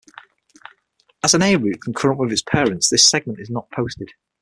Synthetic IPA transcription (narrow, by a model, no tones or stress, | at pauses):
əzə̃nɛɪɹʉˑʔkʰə̃nkʰəɹə̃nʔwɪðɪtz̥pʰɛːɹə̃ntsðɪsɛɡ̚mə̃ntɪznəʔpʰoʊstɪd̥